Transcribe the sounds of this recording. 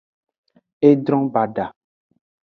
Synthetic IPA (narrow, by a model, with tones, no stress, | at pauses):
e˦dɾɔ̃˦ba˨ɖa˨